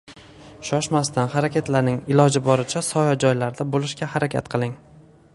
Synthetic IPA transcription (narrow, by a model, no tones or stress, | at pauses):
ʃɒʃmast̪ʰanχaɾakʲat̪laɾnɪŋɪlɒd͡ʒɪbɒɾɪt͡ʃʰasɒjɒd͡ʒɒjlaɾd̪abolˠɪʃkʲahaɾakʲʰa̰t̪qʰɨlˠɪŋ